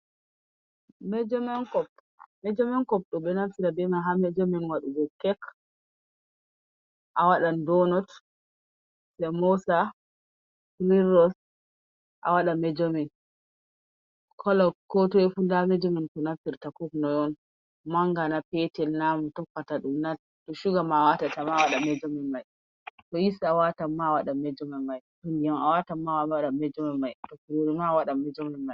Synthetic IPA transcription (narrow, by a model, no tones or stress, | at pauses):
mɛd͡ʒɔmɛnkɔp | mɛd͡ʒɔmɛnkɔp̚ɗɔɓɛnamfiɾabɛmaɦamɛd͡ʒɔmɛnwaɗuɡɔkːɛk | ʔawaɗandɔnɔt | sɛmɔsa | kɾiɾɔs | ʔa̰waɗamɛd͡ʒɔmɛn | kʰɔlɔkɔtɔɛfundamɛd͡ʒominkɔnapːiɾtakɔknɔjɔn | maŋɡanapɛtɛlnamutɔkːataɗumna | tɔʃuɡamawatatamawaɗamɛd͡ʒomɛnmaj | tɔjisawatamːawaɗamɛd͡ʒɔmɛmajɗɔndijamawatamːawaaɗamɛd͡ʒɔmɛmajtɔkɾiɾmawaɗamɛd͡ʒomɛnmaj